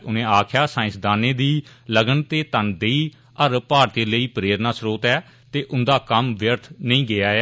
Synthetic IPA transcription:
ʊnẽːaːkʰjaːsaːɪ̃sd̪aːneːd̪iː | ləɡənt̪eːt̪ənd̪eːiː | əɾpaːɾt̪eːləiːpɾeːɾnaːsɾoːt̪ɛː | t̪eːʔʊnd̪aːkəmʋjəɾt̪ʰnəĩːɡɪaːɛː

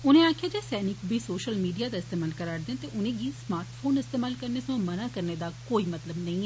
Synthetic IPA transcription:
ʊnẽːaːkkʰijaːd͡ʒɛːsɛːnɪkbʱiːsoːʃəlmiːɖijaːd̪aːɪst̪eːmaːlkəɾaːɾd̪ẽnt̪eʔʊnẽːɡiːsmaːɾʈpʰoːnɪst̪eːmaːlkəɾneːsãːmənaːkəɾneːd̪aːkoːiːmɐt̪ləbnɐĩːɛ

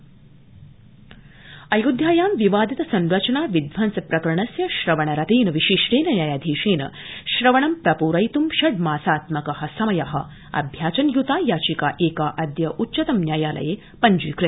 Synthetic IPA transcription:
ɐjud̪ʱjaːjaːmʋiʋaːd̪it̪ɐsɐ̃nɾɐt͡ʃɳaːʋid̪ʋaːnt͡sɐpɾɐkɾɐɳɐsjɐʃɾɐʋɐɳɐɾɐt̪iːnɐʋiɕiʂʈeːnɐnjaːjaːd̪ʱiːʂeːnɐ̰ɕɾɐʋɐɳɐmpɾɐpuːɾɐjt̪umʃɐɖ̚maːsaːt̪mɐkɐhɐsɐmɐjaɦɐ̰ | ɐ̰bʱjaːt͡ʃɐnjut̪aːjaːt͡ɕikaːʔeːkaːʔɐd̪jɐʔutːɕɐt̪ɐmnʲjaːjaːlɐ̰je | pɐɲd͡ʒuːkɾɪ

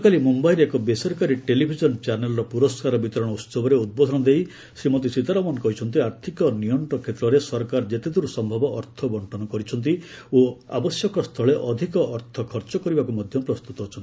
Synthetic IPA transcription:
ɔkalimumbajɾeekɔbesɔɾkaɾiʈelibʱid͡ʒɔnt͡ʃaɾnelɔɾɔpuɾɔskaɾɔbit̪ɔɾɔɽ̃ɔut̪sɔbɔɾeud̪̚bɔd̪ʱɔñɔd̪ej | simot̪̬isit̪aɾɔmɔnɔkɔɦit͡ʃʰɔnt̪̬iaɾt̪ʰikɔnijɔɳʈɔkʰet̪ɾɔɾesɔɾkaɾd͡ʒet̪ed̪ʱuɾusɔmbʱɔbɔʔːɾt̪ʰɔbɔɳʈɔnɔkɔɾit͡ʃʰɔnt̪̬ioa̰bɔsjɔkɔst̪ʰɔɭeʔɔd̪ʱikɔʔːɾt̪ʰɔkʰɔɾt͡ʃɔkɔɾibakumɔd̪ʱjɔpɾɔst̪ut̪ɔɦɔt͡ʃʰɔnt̪i

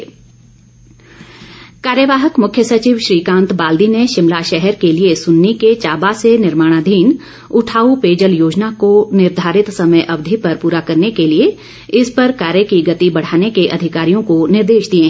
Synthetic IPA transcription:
kaːɾjəʋaːɦəkmʊkʰjəsɐt͡ʃiːʋʃɾiːkãːnt̪baːld̪ineʃɪmlaʃɛɦɛɾkeliesʊnːiket͡ʃaːbasenɪɾmaːɽ̃aːd̪ʱiːn | ʊʈʰaːupeːd͡ʒəljoːd͡ʒnakonɪɾd̪ʱaːɾɪt̪sɐməjʔɐbd̪ʱipɐɾpuːɾakɐɾnekelie | ɪspɐɾkaːɾjəkiɡɐt̪ibɐɽ̤aːnekeʔɐd̪ʱɪkaːɾijõkonɪɾd̪eːʃd̪iẽ

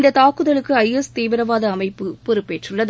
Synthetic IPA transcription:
nd̪ɐt̪aːkɯðɐɭɯkːɯɐɪɛst̪iːʋɪɾɐʋaːðɐːmɐɪpːɯpɔɾɯpːeːʈrɯɭːɐðɯ

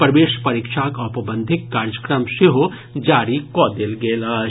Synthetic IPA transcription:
pɾɐʋeːʃpɐɾiːkʃaːkɐpɐbə̃nd̪ʱɪkːaːɾjəkɾəmʃeɦo | d͡ʒaːɾikɔːd̪elɡeːlɐ

